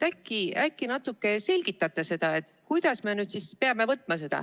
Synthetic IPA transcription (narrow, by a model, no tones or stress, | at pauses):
t̪ækːiækːinɑt̪ːˑukːˑe̞se̞lʲɡ̥it̪ːˑɑt̪ːˑɑse̞d̪̥ɑe̞t̪ːˑkujd̪̥ɑsmenyːd̪sispeɑme̞vɤt̪ːˑmɑs̬e̞d̪̥ɑ̰